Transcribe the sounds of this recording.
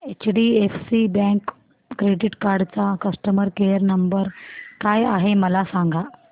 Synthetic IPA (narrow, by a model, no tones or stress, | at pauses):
et͡ɕɖiefsibɛ̃kː | ɾeɖiʈkaɾɖt͡sakəsʈəməɾkejəɾnəmbəɾkajaɦeməlasaŋɡa